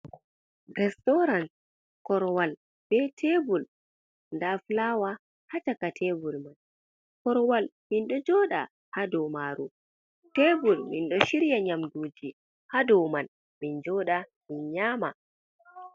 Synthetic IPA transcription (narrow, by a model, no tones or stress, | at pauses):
ɾɛstɔɾan | kɔɾwal | b̥ɛtʰebul | ndaflaːwa | hat͡ʃakatʰɛbulman | kɔɾwalminɗɔd͡ʒɔːɗa̰ | hadɔmaːɾṵ | tebulminɗɔʃiɾjaɲamduːd͡ʒi | hadɔman | mind͡ʒɔɗaminɲaːma